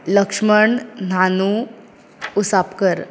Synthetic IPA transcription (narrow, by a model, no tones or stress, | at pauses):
ləkʂməɳnanuː | sapkəɾ